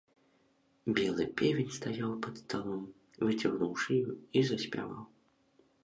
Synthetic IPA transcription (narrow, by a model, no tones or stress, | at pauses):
bʲɛlˠɨ̰pʲɛvʲɛnʲst̪ajawpɐt̪st̪alˠɔm | vɨt͡sʲaɣnuwʂɨjuizɐsʲpʲa̰va̰w